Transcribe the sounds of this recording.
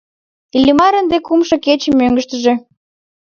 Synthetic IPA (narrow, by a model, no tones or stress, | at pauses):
ilʲimɑɾənd̪ekumʃɤ̆ket͡ɕemːøŋɡəʃt̪ə̆ʒĕ